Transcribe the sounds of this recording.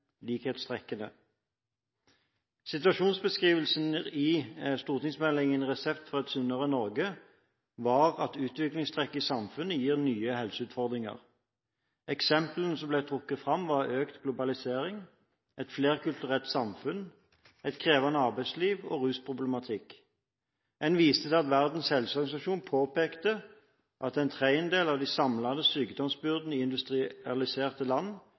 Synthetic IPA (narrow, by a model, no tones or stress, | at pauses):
liːkheːt̪st̪ʰʁɛkːənə̰ | sɪt̪ʉɑʃuːnsbəskʁiːʋəlsn̩ɪst̪uːʁt̪ɪŋsmɛlɪŋənʁɛsɛpt̪fɔʁɛt̪sʉnəʁənɔʁɡə | ʋɑʁɑt̪ʉːt̪ʋɪklɪŋst̪ʰʁɛkːɪsɑmfʉnːəjiːʁnyːəhɛlsʉːt̪fɔʁd̪ʁɪŋɑ̰ʁ | ɛksɛmplənəsɔmblæɪt̪ʰʁʊkːət̪fʁɑmʋɑʁøːkt̪ɡlʊbɑlɪseːʁɪŋ | ɛt̪fleːʁkʉlt̪ʉʁɛlt̪sɑmfʉn | ɛɪt̪kʰʁeːʋɑnəɑʁbæɪsliːʋo̰ːʁʉːspʰʁʊbləmɑt̪ʰɪk | ɛnʋiːst̪əsɛɪɑt̪ʋæʁd̪n̩shɛlsɔʁɡɑnɪsɑʃuːnpʰoːpeːkt̪ə | ʔɑt̪ɛɪnt̪ʰʁæɪənd̪eːlɑʋd̪iɪsɑmlɑd̪əsyːkd̪ɔmsbʏʁd̪n̩iːɪnd̪ʉst̪ʁɪɑlɪseːʁt̪əlɑnː